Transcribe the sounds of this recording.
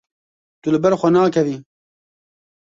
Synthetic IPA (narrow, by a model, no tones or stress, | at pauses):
t̪ulɨbɛɾxʷɛnaːkʰɛviː